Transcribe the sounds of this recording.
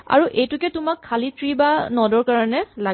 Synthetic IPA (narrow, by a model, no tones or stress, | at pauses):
a̰ɹuʔejtʊkɛtʊmakʰːalitɹibanɔdɔɹkaɹɔnɛla